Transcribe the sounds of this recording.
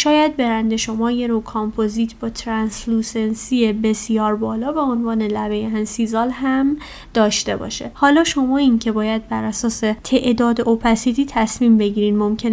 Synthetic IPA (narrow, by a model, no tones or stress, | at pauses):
ʃɒːjæd̪̚be̞ɾænd̪e̞ʃo̞mɒːje̞ɾokʰɒmpʰoziːt̪ʰbɒːt̪ʰɾænsluːsensiebe̞sijɒːɾbɒːlɒːvæonvɒːne̞læve̞jeænsizɒːlɦæm | d̪̥ɒːʃt̪e̞bɒ̰ːʃḛhɒːlɒːʃo̞mɒːincʰe̞bɒːjæd̪̚bæɾʔæsɒːse̞t̪ʰe̞ʔd̪ɒːd̪eʔopʰæsit̪ʰiːt̪ʰæsmiːmbe̞ɟiːɾiːnd̪mo̞mcʰen